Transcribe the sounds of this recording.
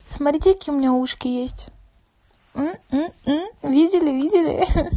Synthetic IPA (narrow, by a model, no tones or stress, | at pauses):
smɐtɾʲitʲɪkəkʲiːʊmʲɪnʲauʂkʲɪjesʲtʲ | m̩ | vʲidʲɪlʲɪvʲidʲɪlʲɪ̰